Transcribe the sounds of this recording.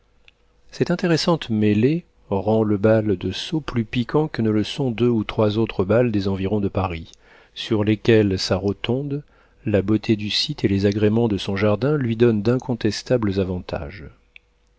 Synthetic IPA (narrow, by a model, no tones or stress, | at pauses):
sɛt̪ɛ̃t̪eʁesɑ̃t̪mele | ʁɑ̃ləbald̪əsoplypikʰɑ̃kənələsɔ̃d̪øut̪χwazot̪χəbald̪ezɑ̃viʁɔ̃d̪əpaʁi | syʁlekʲɛlsaʁət̪ɔ̃d̪ | labot̪ʰed̪ysit̪elezaɡʁemɑ̃d̪əsɔ̃ʒaʁd̪ɛ̃lɥid̪ɔnd̪ɛ̃kʰɔ̃t̪ɛst̪abləzavɑ̃t̪ʰa̰ʒ